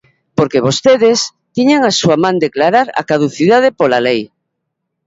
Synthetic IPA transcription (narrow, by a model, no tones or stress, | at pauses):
poɾkeβost̪eð̞es | t̪iɲeŋasuamãnd̪eklaɾaɾa̰kað̞uθiðað̞epolalej